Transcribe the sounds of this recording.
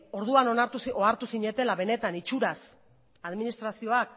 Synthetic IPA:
o̞ɾð̞uanonaɾt̪usoaɾt̪usiɲe̞t̪e̞laβe̞ne̞t̪anit͡ʃuɾas | aðminist̪ɾasio̞ak

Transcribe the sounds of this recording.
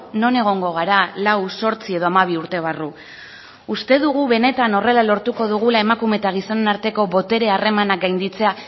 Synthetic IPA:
no̞ne̞ɣ̞o̞ŋɡo̞ɣ̞aɾalawso̞ɾt͡sie̞ð̞o̞amaβ̞iuɾt̪e̞β̞aru | ust̪e̞ðuɣuβe̞ne̞t̪ano̞re̞lalo̞ɾt̪uko̞ðuɣ̞ulae̞makume̞t̪aɣ̞iso̞nenaɾt̪e̞ko̞βo̞t̪e̞ɾe̞are̞manak̚ɡajnd̪it͡se̞a

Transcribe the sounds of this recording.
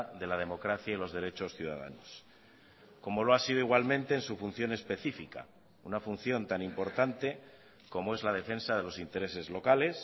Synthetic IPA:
ðe̞lað̞e̞mo̞kɾaθjailo̞zðe̞ɾe̞t͡ʃo̞sθjuða̰ða̰nos | ko̞mo̞loasiðo̞iɣwalmẽ̞nt̪e̞ːnsufun̟θjo̞ne̞spe̞θifika̰ | unafun̟θjo̞nt̪animpo̞ɾt̪ant̪e̞ | ko̞moe̞zlað̞e̞fe̞nsaðe̞lo̞sint̪e̞ɾe̞se̞zlo̞kale̞s

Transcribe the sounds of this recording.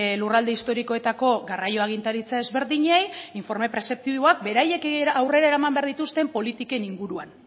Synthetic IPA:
lurald̪e̞ist̪o̞ɾiko̞e̞t̪ako̞ɣarajo̞aɣint̪aɾit͡sae̞zβe̞ɾðiɲejiɱfo̞ɾme̞pɾe̞sep̚t̪iβo̞ak̚be̞ɾaje̞kawre̞ɾaeɾaemambe̞aɾðit̪ust̪e̞mpo̞lit̪ike̞niŋɡuɾuan

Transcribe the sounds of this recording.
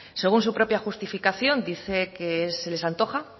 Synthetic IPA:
se̞ɣ̞uns̬upɾo̞pjaxust̪ifikaθjo̞nd̪iθe̞keesːe̞lesant̪o̞xa

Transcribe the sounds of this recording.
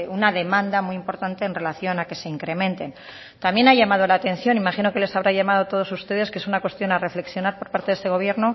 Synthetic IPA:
unaðe̞mãnd̪amwujimpo̞ɾt̪ant̪e̞ːnre̞laθjo̞nake̞se̞iŋkɾe̞mẽ̞nt̪e̞n | t̪amje̞naʝamað̞o̞laːt̪e̞n̟θjo̞nimaχino̞ke̞le̞saβ̞ɾaʝamað̞ot̪o̞ð̞o̞sust̪e̞ð̞e̞skesunakwe̞st̪jo̞nare̞fle̞ksjo̞naɾpo̞ɾpaɾt̪e̞ðest̪e̞ɣ̞o̞β̞je̞ɾno

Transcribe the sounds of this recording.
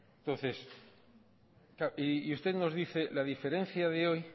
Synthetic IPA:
nt̪o̞nθe̞s | kaʔiust̪e̞ðno̞zðiθe̞laðife̞ɾẽ̞nθjaðeoj

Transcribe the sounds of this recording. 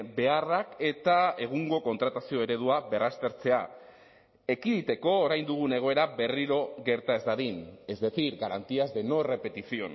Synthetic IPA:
be̞arake̞t̪ae̞ɣ̞uŋɡo̞ko̞nt̪ɾat̪asio̞e̞ɾe̞ð̞uaβe̞rast̪e̞ɾt͡se̞a | e̞kiðit̪e̞ko̞ːɾajnd̪uɣ̞une̞ɣ̞o̞e̞ɾabe̞riɾo̞ɣe̞ɾt̪ae̞zd̪aðine̞zðe̞θiɾɡaɾant̪iazd̪e̞no̞re̞pe̞t̪isio̞̰n

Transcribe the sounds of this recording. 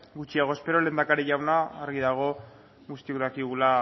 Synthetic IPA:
ɡut͡ʃiaɣ̞o̞espe̞ɾo̞le̞ːnd̪akaɾeʎawnaaɾɣiðaɣ̞o̞ | ɣust̪iuɾakiɣula

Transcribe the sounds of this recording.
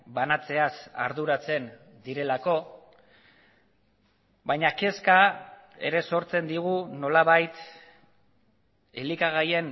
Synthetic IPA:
banat͡se̞asa̰ɾðuɾat͡se̞n | d̪iɾe̞lako̞ | βajɲake̞skae̞̰ɾe̞so̞ɾt͡se̞nd̪iɣ̞uno̞laβajt̪ | elikaɣ̞aje̞n

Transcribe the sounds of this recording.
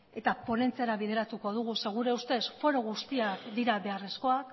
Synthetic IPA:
e̞t̪apo̞ne̞nt͡seaɾaβiðe̞ɾat̪uko̞ð̞uɣ̞use̞ɣ̞uɾe̞ust̪e̞sfo̞ɾo̞ɣ̞ust̪iakd̪iɾaβe̞are̞sko̞ak

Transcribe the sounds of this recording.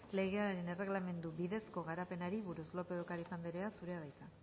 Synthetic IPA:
le̞ɣe̞aɾe̞ne̞re̞ɣlame̞nd̪ubiðe̞sko̞ɣ̞aɾape̞naɾiβuɾuzlo̞pe̞ðokaɾisand̪iɾeasuɾe̞aβ̞ajt̪a

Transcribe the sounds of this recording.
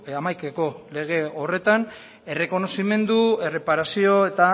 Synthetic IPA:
amajkako̞le̞ɣ̞e̞o̞re̞t̪an | e̞re̞ko̞no̞sime̞nd̪ue̞re̞paɾasio̞e̞t̪a

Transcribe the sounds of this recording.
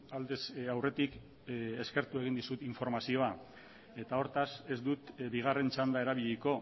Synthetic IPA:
ald̪esawre̞t̪ik | eske̞ɾt̪ue̞ɣind̪isut̪iɱfo̞ɾmasio̞a | e̞t̪ao̞ɾt̪ase̞zd̪ut̪βiɣ̞are̞nt͡ʃand̪ae̞ɾaβ̞iʎiko̞

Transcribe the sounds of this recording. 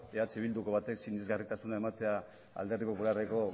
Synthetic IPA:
eat͡siβ̞ild̪uko̞β̞at̪e̞ksinezɣarit̪asunae̞mat̪e̞a | a̰ld̪e̞ripo̞pulareko̞

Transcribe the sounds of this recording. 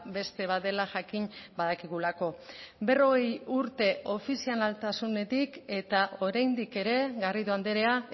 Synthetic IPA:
be̞st̪e̞βae̞laʝakinbaðakiɣulako̞be̞ro̞ɣe̞juɾt̪e̞ʔo̞fisialalt̪asune̞t̪ike̞t̪aʔo̞ɾajnd̪ike̞ɾe̞ɣariðoand̪e̞ɾe̞a

